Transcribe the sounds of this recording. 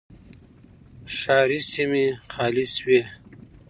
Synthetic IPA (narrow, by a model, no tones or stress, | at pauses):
ʂɑːɾisimixɑːliswe